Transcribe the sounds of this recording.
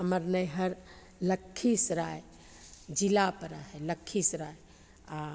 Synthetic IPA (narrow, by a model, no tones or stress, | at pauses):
ɦəməɾnəjɦəɾ | ləkʰːisɾae | d͡ʒilapəɾa̰ɦɛləkʰːisɾae | a